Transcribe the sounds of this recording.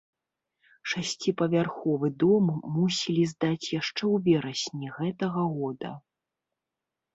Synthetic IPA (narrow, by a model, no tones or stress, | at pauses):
ʂasʲt͡sʲipɐvʲarxɔvɨd̪ɔmːusʲilʲizd̪at͡sʲjaʂt͡ʂɛwvʲɛɾɐsʲnʲiɣɛt̪ɐɣɐɣɔd̪ɐ̰